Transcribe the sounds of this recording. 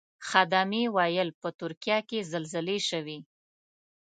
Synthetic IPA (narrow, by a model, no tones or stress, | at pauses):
xad̪amewɑjəlpət̪ʊɾkjɑkezalzəleʃəwi